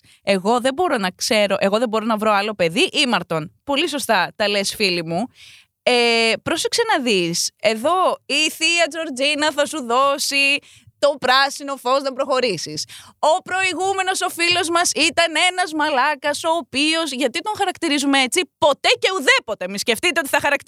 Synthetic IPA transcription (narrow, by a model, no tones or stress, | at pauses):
e̞ɣo̞ðe̞bo̞ɾo̞nɐkse̞ɾo̞ʔe̞ɣoðebo̞ɾo̞nɐvɾo̞ɐlo̞pe̞ðiʔimɐɾt̪o̞npo̞liso̞st̪ɐt̪ɐle̞sfilimu | epɾo̞seksenɐðise̞ðo̞iθiɐd͡zo̞ɾd͡zinɐθɐsuðosi | t̪o̞pɾɐsino̞fo̞znɐpɾo̞xo̞ɾisiso̞pɾo̞iɣume̞no̞so̞filo̞zmɐsit̪ɐne̞nɐzmɐlɐkɐso̞ːpio̞zʝɐt̪it̪o̞ŋxɐɾɐkt̪iɾizumee̞t͡sipo̞t̪e̞ce̞uðe̞po̞t̪emisce̞ft̪it̪eot̪i̥θɐxɐɾɐk